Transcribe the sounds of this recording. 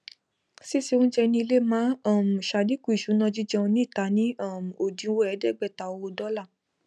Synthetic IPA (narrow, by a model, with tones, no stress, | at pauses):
si˦˨si˧˦o˦n̩˦d͡ʒɛ˧nĩ˧le˦mãː˨˦a˦˨m̩˨ʃa˧˨di˦ku˦i˨ʃu˨˦nã˦˧d͡ʒi˦d͡ʒɛ̃˧õ˧nĩ˦˨ta˨˦nĩ˦a˦˨m̩˨o˨dĩ˧˦wo˦ɛ˨˦dɛ˦˨ɡ͡bɛ˦˨ta˨o˧o˧dɔ˦la˦˨